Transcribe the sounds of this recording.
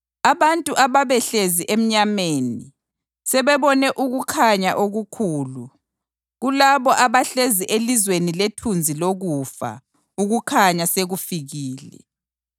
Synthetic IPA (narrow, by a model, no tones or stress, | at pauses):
aβantʼuʔaβaβɛɬeziʔem̩ɲameni | sɛβɛβɔnɛʔuɣukʰaɲaʔoɣukʰuːlu | ɣulaβɔʔaβaɬeziʔelizweniletʰund͡zʱiloɣufa̰ | uɣukʰaɲaseɣufiɣiːlɛ̰